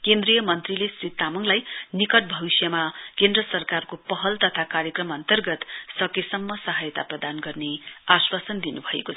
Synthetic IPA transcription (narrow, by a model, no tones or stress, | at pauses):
kend̪rijʌmʌnt̪rilesrit̪ːamʌŋlajnikʌʈ̚bʱʌβisjʌmakend̪rʌsʌrkarkopʌɦʌlt̪ʌt̪ʰakaɾjʌkrʌmʌnt̪ʌrɡʌt̪sʌkesʌmːʌsʌɦajt̪aprʌd̪anɡʌrneaswasʌnd̪inubʱʌḛkoʌ